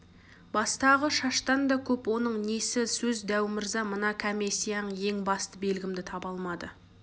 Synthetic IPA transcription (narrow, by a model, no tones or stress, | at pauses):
bɑst̪ɑʁəʃɑʃt̪ɑnd̪ɑkʲʰɵpwo̞n̪əɴnesɪsɵzd̪æwmɪɾzɑmənɑkʰæmesijɑəje̞ŋbɑst̪əbe̞lɡʲɪmd̪ɪt̪ʰɑbɑlˠmɑd̪ə